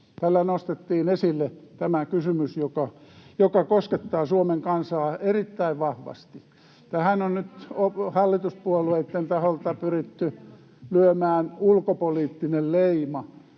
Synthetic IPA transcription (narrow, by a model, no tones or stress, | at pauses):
t̪ælːænost̪et̪ːiːnesilːet̪æmækysymysjokɑjokɑkosket̪ːɑːsuomeŋkɑnsɑːerit̪ːæiʋʋɑhʋɑ̰st̪i | t̪æhænonnyt̪ohɑlːit̪uspuolueit̪ːent̪ɑholt̪ɑpyrit̪ːy | lyømæːnulkopoliːt̪ːinelleimɑ